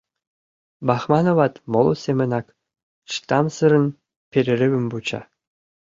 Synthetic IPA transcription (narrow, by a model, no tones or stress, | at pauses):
bɑχmɑnovɑt̪molˠosʲemʲɘ̆nɑk | ʂt̪ɑmsɯɾɤ̆n | pʲeɾʲɘ̆ɾʲɘ̆bɘ̆mbut͡ɕɑ̰